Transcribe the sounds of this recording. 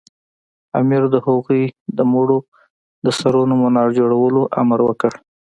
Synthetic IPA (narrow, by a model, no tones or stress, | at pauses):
a̰miɾd̪əhoɣujd̪əmoɽo | d̪əsaɾonomanɑɾd͡ʒoɽawəloʔa̰maɾwəkəɽ